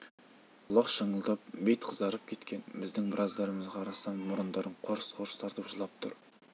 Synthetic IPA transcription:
ʊlˠɑqʃəɴəlˠd̪ɑp̚bejt̪qʰəzd̪ɑɾəp̚kʲʰe̞t̪kʲe̞nbɪzd̪ɪŋbɪɾʔɑzd̪ɑɾəməzʁɑːɾɑsɑnːʊɾənd̪ɑɾəɴqʰoɾsqʰoɾst̪ɑɾd̪əʊʒəlˠɑp̚t̪ʰʊ̰ɾ

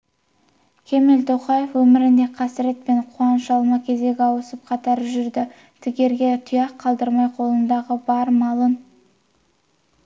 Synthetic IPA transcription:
kʲʰe̞mɪlt̪ʰoqɑje̞fwɵmɪɾɪnd̪e̞qʰɑsɪɾe̞t̪̚pe̞ɴqʰʊɑnəʃɑlˠmɑkʲʰe̞ze̞ɡʲɪɑwəsəp̚qʰɑt̪ɑɾʒʏɾd̪ɪ | t̪ʰɪkʲe̞ɾɡʲe̞t̪ʰʊjɑqʰːɑlˠd̪əɾmɑjqʰo̞lˠənd̪ɑʁəbɑɾmɑlˠən

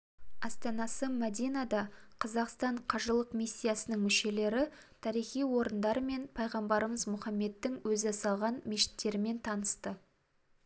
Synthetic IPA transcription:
ɑst̪ɑnɑsəmæd̪ijnad̪ɑqʰɑzɑqst̪ɑɴqʰɑʒəlˠəqmisʲːijasənəŋmʏʃe̞le̞ɾɪ | t̪ʰɑɾijχijwo̞ɾənd̪ɑɾəme̞npʰɑjʁɑmbɑɾəməzmʊχɑmːe̞d̪ːɪŋwɵzɪsɑlˠʁɑnmeʃɪ̥t̪ːe̞ɾɪme̞nt̪ʰɑnəst̪ə

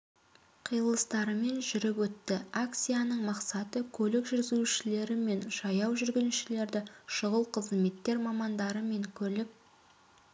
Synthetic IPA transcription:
qʰijəlˠəst̪ɑɾəme̞nʒʏɾɪpwɵt̪ːɪak̚t̪sijanəɴmɑqsɑt̪əkʲʰɵlɪkʒʏɾzuʃɪle̞ɾɪme̞nʒɑjɑwʒʏɾɡʲɪnuʃɪle̞ɾd̪ɪʃʊʁəlˠqʰəzme̞t̪ːe̞ɾmɑmɑnd̪ɑɾəme̞ŋkʲʰɵlɪp̚

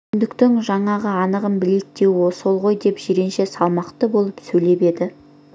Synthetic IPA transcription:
nd̪ɪkt̪ɪŋʒɑɴɑʁəɑnəʁənbɪlek̚t̪e̞wwosolˠʁo̞jd̪e̞pʒ̥eɾe̞nʃe̞sɑlˠmɑqt̪əbo̞lˠəpsɵjle̞pe̞d̪ɪ

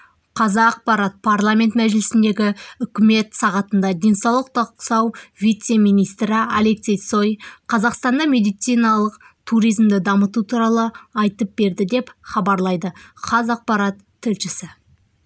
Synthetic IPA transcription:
qʰɑzɑːq̚pɑɾat̪̚pʰaɾlˠamʲe̞nt̪mæʒɪlɪsɪnd̪e̞ɡʲɪʏkʲɪme̞t̪sɑʁɑt̪ənd̪ɑd̪ʲe̞nsɑwlˠəq̚t̪ɑqsɑwvʲijt̪se̞mijnijst̪ɾɪale̞ksʲe̞jt̪so̞jqʰɑzɑqst̪ɑnd̪ɑmʲe̞d̪ijt̪sijnɑlˠəq | t̪ʰuɾijzmd̪ɪd̪ɑmət̪ut̪ʰuɾɑlˠəɑjt̪əp̚b̥e̞ɾd̪ɪd̪e̞pχɑbɑɾlˠɑjd̪əχʰɑzɑq̚pɑɾat̪ʰːʏlʃɪsɪ

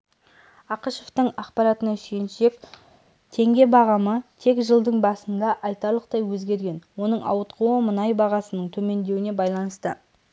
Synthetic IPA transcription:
ɑqəʃoft̪əɴɑqpɑɾɑt̪ənɑʃenʃe̞k̚ | t̪ʰe̞ŋɡʲe̞bɑʁɑmət̪ʰe̞kʒəlˠd̪əɴbɑsənd̪ɑʔɑjt̪ɑɾlˠəq̚t̪ɑjwɵzɡʲe̞ɾɡʲe̞nwo̞nəɴɑ̰wət̪qʰuwəmənɑjbɑʁɑsənəɴt̪ʰɵme̞nd̪e̞wɪne̞bɑjlˠɑnəst̪ə

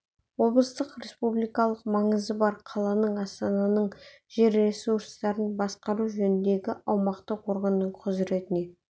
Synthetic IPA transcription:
wo̞blˠəst̪əqɾe̞spublijkɑlˠəq̚mɑɴəzəbɑɾqʰɑlˠɑnəɴɑst̪ɑnɑnəɴ | ʒ̥e̞ɾe̞suɾst̪ɑɾənbɑsqɑɾuʒɵnɪnd̪e̞ɡʲɪʔɑwmɑqt̪əqʰo̞ɾʁənːəɴqʰʊzɾe̞t̪ɪne̞

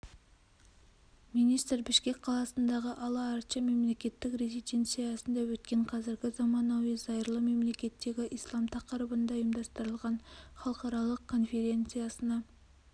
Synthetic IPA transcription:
mijnijst̪rbɪʃkʲe̞kʲqʰɑlˠɑsənd̪ɑʁəʔɑlˠɑːɾt͡ʃɑme̞mle̞kʲe̞t̪ːɪkrezit̪ʲe̞nt̪sijɑsənd̪ɑwɵt̪̚kʲe̞ɴqʰɑzɪɾɡʲɪzɑmɑnɑwizɑjɾlˠəme̞mle̞kʲe̞t̪ːe̞ɡʲɪʔijslˠɑmt̪ʰɑqəɾəbənd̪ɑjəmd̪ɑst̪əɾəlˠʁɑnχɑlˠəqɑɾɑlˠəqkʰo̞nfʲe̞ɾʲe̞nt̪sɨjɑsənɑ

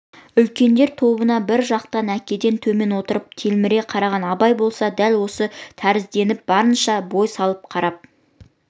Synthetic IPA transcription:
ʏlkʲe̞nd̪e̞ɾt̪ʰo̞bənɑbɪɾʒɑq̚t̪ɑnækʲe̞d̪e̞nt̪ʰɵme̞nwo̞t̪əɾəp̚t̪ʰelmɪɾeqʰɑɾɑʁɑnɑbɑjbo̞lˠsɑd̪ælwo̞sət̪ʰæɾɪzd̪e̞nɪp̚bɑɾənʃɑbo̞jsɑlˠəp̚qʰɑɾɑp̚

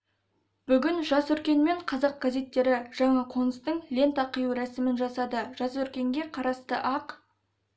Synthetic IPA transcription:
b̥ʏɡʲɪnʒɑsɵɾkʲe̞nme̞ɴqʰɑzɑq̚ɡ̥aze̞t̪ːe̞ɾɪʒ̥ɑɴɑqʰo̞nəst̪əɴlʲe̞nt̪ɑqʰəjuɾæsɪmɪnʒɑsɑd̪əʒ̥ɑsɵɾkʲe̞ŋɡʲe̞qʰɑɾɑst̪əʔɑq

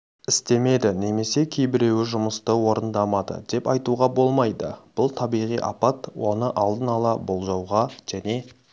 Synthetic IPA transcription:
ɪst̪e̞me̞d̪ɪne̞me̞se̞kʲʰejbɪɾe̞wɪʒʊməst̪əwo̞ɾənd̪ɑmɑd̪ə̰d̪e̞pɑjt̪uʁɑbo̞lˠmɑjd̪ə̰b̥ʊlˠt̪ʰɑbijʁijʔɑ̰pɑt̪wo̞nəʔɑlˠd̪ənɑlˠɑbo̞lˠʒɑwʁɑʒ̥æne̞

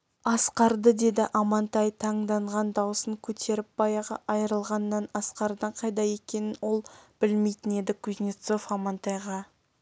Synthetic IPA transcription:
ɑsqɑɾd̪əd̪e̞d̪ɪʔɑmɑnt̪ɑjt̪ʰɑɴd̪ɑɴʁɑnd̪ɑwəsəŋkʲʰɵt̪ʰe̞ɾɪp̚b̥ɑjɑʁɑ̰ʔɑjəɾəlˠʁɑnːɑnɑsqɑɾd̪əɴqʰɑjd̪ɑje̞kʲe̞nɪnwo̞lˠb̥ɪlme̞jt̪ɪne̞d̪ɪkʲʰʊznʲit̪so̞fɑmɑnt̪ɑjʁɑ

